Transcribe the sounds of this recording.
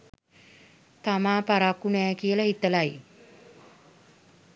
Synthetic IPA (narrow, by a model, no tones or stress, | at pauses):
t̪amaːpaɾakːunɛːkiəlahit̪əlaj